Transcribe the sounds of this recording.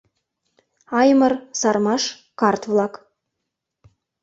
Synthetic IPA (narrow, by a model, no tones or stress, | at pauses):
ɑjmərsɑrmɑʃ | kɑrt̪vlˠɑk